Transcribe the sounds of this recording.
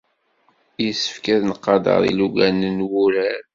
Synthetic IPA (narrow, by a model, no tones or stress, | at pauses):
jəsə̥fkæðnəqːɑd̪ə̰ɾˤḭluɡænənwuɾæɾ